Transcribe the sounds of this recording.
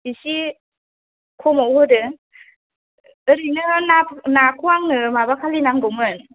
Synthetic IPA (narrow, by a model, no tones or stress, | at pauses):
isi | kʰɔmawhɯdɯ | ɯɾɯnɯnanakʰuaŋnɯmabakʰalinaŋɡɔmɯn